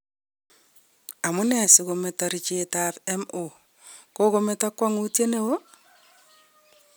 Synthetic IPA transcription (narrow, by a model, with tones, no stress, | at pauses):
a˨mʊ˦nɛ˨sɪkometaɾit͡ʃetapɛmo˨ | ko˦kometa˦kwa˦ŋu˦tje˦ne˦wo˦